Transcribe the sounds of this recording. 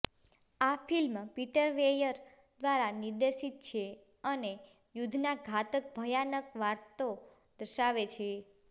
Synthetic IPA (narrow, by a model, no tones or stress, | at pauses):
afilmpiʈəɾʋejəɾ | d̪ʋaɾaniɾd̪eʃit̪̚t͡ʃʰe | əne | jud̪ʱnaɡʱat̪ək̚bʱəjanəkʋaɾt̪o | d̪̥əʃaʋet͡ʃʰe